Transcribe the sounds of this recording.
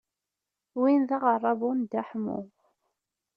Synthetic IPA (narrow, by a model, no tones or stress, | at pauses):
winðaʁərˤːɑvbund̪aħmṵ